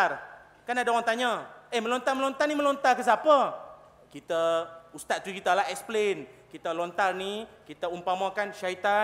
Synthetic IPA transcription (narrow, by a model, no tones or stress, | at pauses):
ar | kanadaoaŋt̪aɲəemə̃lont̪arməlont̪arnimə̃lont̪arkəs̬apə | kit̪əust̪at̪̚t̪ukit̪əlaɛksplenkit̪əlont̪arnikit̪əumpamãkanʃait̪a